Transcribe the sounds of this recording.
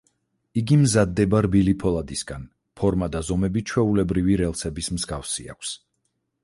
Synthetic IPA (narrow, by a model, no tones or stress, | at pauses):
iɡimzad̪ːɛbaɾbilipʰɔlˠad̪isɡan | pʰɔɾmad̪azɔmɛbit͡ʃʰwɛulɛbɾiviɾɛlˠsɛbismzɡafsia̰kʷʰs